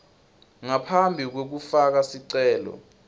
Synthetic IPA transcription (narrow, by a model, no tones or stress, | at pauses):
ŋapʰambʱik̬wek̬ufak̬asiǀɛːlɔ̰